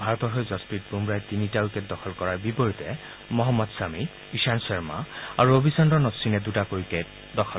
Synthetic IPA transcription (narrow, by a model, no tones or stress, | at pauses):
bʱaɹɔt̪ɔɦɔjzɔspit̚bumbɹajtinitaukɛtdɔxʰɔlkɔɹaɹbipɔɹitɛ | mɔɦɔmːɔd̪sami | iʃansɔɹma̰aɹuobʱisɔndɔnɔtsinɛdutakojkɛt | dɔxʰɔ